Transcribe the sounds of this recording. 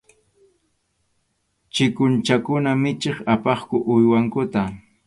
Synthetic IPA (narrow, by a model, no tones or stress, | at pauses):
t͡ʃɪkʊnt͡ʃakʊnamɪt͡ʃeχapɑχkʊʔʊjwaŋkʊt̪a